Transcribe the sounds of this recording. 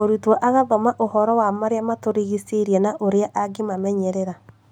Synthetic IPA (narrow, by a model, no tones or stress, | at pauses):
oɾutwɔʔaɣaðɔmaʔohɔɾɔwamaɾeamatoɾiɣiseɾjɛnaʔoɾeaʔaɡimamɛɲɛɾeɾa